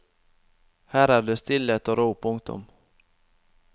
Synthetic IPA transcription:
hæːɾad̪ɵst̪ɪlːeːt̪ɔɾuːpʰʊŋt̪ɔ̰m

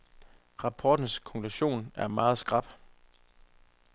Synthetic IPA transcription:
ʁɑ̈pʰɒːd̥n̩skʰɒ̽ŋkʰluɕo̝̰ːnæɐmɑ̈ːð̩ˠsɡ̥ʁɑ̈b̥

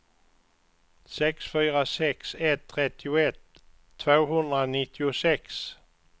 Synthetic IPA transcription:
sɛksfyːɾasɛksɛt̪ʰːɾɛt̪ːɪʊɛt̪ʰː | voːɦɵnd̪ɾanɪt̪ːɪʊsɛks

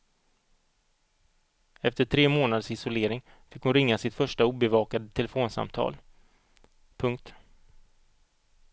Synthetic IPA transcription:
ɛft̪əʈʰɾeːmoːnad̪sɪsʊleːɾɪŋ | fɪkhʊnɾɪŋːasɪt̪fœʂʈauːbɛvɑːkad̪ət̪ʰɛlɛfoːnsa̰mt̪ʰɑ̰ːl | pʰɵŋkt̪

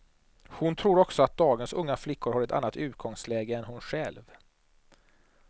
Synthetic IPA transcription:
hʊnt̪ʰɾuːɾɔksɔat̪̚d̪ɑːɡənsɵŋːaflɪkʰːʊɾhaɾɛt̪ʰa̰nːat̪ʉ̟ːt̪̚ɡɔŋslɛːɡəɛnɦʊnɧɛlv

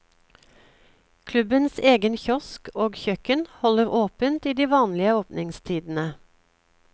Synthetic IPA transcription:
kʰlʉbənseːɡənçɔskoːɡçœkənhɔləʁʔoːpənt̪iːd̪iːʋɑːnlɪəoːpnɪŋst̪ʰiːd̪n̩ə

